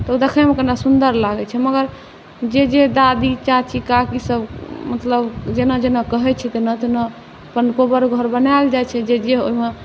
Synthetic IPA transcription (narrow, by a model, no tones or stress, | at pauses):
t̪ɔud̪ekʰɛmekənasund̪əɾlaɡɛt͡ʃʰɛməɡəɾ | d͡ʒed͡ʒed̪ad̪it͡ʃat͡ʃikakisəbmət̪ləbd͡ʒenad͡ʒenakəɦɛt͡ʃʰɛt̪enat̪ena | pənkobəɾɡʱəɾbənald͡ʒajt͡ʃʰɛd͡ʒed͡ʒeo̰ɦime